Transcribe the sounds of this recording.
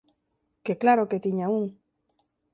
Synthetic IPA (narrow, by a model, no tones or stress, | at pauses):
keklaɾoket̪iɲauŋ